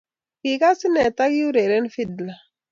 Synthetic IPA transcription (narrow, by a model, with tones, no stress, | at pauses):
ki˨ka˦si˦nɛ˨t̪a˦ɡu˦ɾe˨ɾɛ˦n˦fi˦dla˨